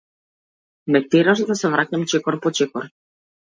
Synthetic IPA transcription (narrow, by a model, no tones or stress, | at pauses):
nɛk̚t̪ɛɾaʃd̪asɛvɾacamt͡ʃɛkɔɾpɔt͡ʃɛkɔɾ